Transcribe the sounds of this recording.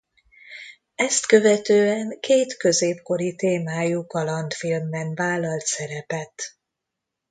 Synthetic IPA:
ɛst̪kø̞vɛt̪øːɛŋkeːt̪køzeːpko̞ɾit̪eːmaːjukɒlɒnt̪filmːɛnvaːlːɒlt̪sɛɾɛpɛt̪

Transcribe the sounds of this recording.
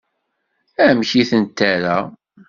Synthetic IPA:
æmçiθənt̪ːæɾæ

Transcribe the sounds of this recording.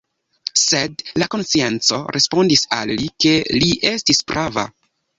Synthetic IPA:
se̞dlako̞nst͡sient͡so̞̰ɾʔe̞spo̞ndisa̰lːike̞liʔe̞stispɾʔava̰

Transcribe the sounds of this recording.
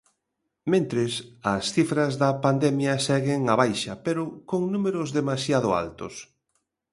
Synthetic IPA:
mẽnt̪ɾɪsɐsθifɾɐzðɐpand̪ɛmjɐsɛɣɪŋaβajʃɐpeɾʊkoŋnumeɾʊzðemasjaðʊ̰a̰lt̪ʊ̰s

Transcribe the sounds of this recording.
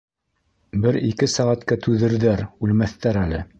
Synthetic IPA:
bɘɾikɘsæʁæt̪kæt̪ʰʉðɘ̆ɾðæɾʉlmæθt̪æɾælɘ

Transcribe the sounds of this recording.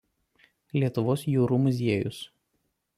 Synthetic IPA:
lʲiɛt̪ʊʋoːsjuːɾuːmʊs̬ʲiɛjʊ̰s

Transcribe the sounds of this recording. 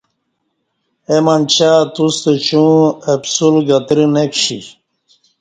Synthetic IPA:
emant͡ɕaːt̪ust̪et͡ɕũepsulɡɐt̪ɾinekɕḭ

